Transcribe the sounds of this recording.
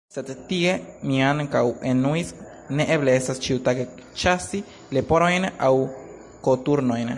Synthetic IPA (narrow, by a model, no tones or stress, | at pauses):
set̪et̪iɡemĩankawenuis | neʔeblesast͡ʃiwt̪aket͡ʃasi | lepoɾojneʔaw | kot̪uɾnojne